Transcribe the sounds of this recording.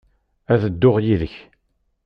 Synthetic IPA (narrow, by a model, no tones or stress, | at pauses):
æðəd̪ːʊʁjiðəç